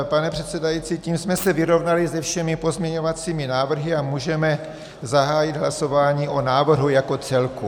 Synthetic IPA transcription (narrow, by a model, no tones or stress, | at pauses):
panɛpr̥ɛt̪sɛdajit͡siːciːmsmɛsɛvɪɾo̞vnalɪzɛfʃɛmɪpo̞zmɲɛɲo̞vat͡siːmɪnaːvr̩ɦɪamuːʒɛmɛ | zaɦaːjɪd̪ɦlaso̞vaːɲiːʔo̞naːvr̩ɦujako̞t͡sɛlku